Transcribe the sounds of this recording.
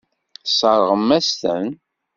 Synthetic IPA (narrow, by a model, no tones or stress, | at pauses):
sˤəɾˤʁəmːæst̪ə̰n